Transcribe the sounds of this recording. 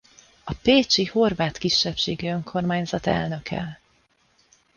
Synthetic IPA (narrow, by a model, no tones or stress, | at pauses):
ɒpeːt͡ʃiho̞rvaːt̪kiʃːɛpʃeːɡiøŋkʰo̞rmaːɲzɒt̪ɛ̰lnø̞kʰɛ̰l